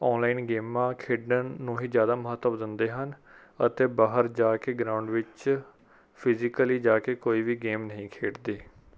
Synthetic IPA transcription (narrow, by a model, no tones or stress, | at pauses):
ɔːnlaːɪnɡeːmãːkʰeːɖənːũːɦiːd͡ʒjaːd̪aːməɦət̪ːəʋd̪ɪnd̪eːɦən | ə̰t̪eːbaːɦəɾd͡ʒaːkeːɡɾaːʊɳɖʋɪt͡ʃ | pʰɪzɪkəliːd͡ʒaːkeːkoːiːʋiːɡeːmnəɦĩːkʰeːʈd̪eː